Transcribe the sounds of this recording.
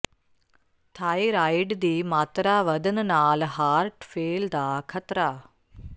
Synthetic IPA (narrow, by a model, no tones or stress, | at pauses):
t̪ʰaːjɾajɖd̪iːmaːt̪ɾaːʋɐd̪ɐnnaːlɦaːɾʈfeːld̪aːkʰɐt̪ɾaː